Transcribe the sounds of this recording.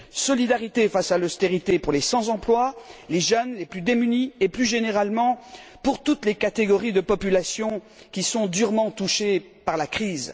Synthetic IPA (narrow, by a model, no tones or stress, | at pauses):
sɔlid̪aʁit̪efasalɔst̪eʁit̪epuʁlesɑ̃zɑ̃plwaleʒœnleplyd̪emynieplyʒeneʁalmɑ̃puʁt̪ut̪lekat̪eɡɔʁid̪əpɔpylasjɔ̃ | kʲisɔ̃d̪yʁmɑ̃t̪uʃe | paʁlakχiːz